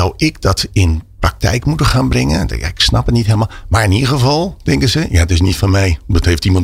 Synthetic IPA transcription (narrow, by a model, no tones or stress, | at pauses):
awɪkdɔtɪnprɑk̚tʰɛ̰jkmutəxaːnbrɪŋənja̰ɪksna̰pətnitɦeːlˠmamaɹɪniəɣəvɑlˠtɪŋkəsəjaətɪs̬nitfɔnmɛjdɔtheftimɑn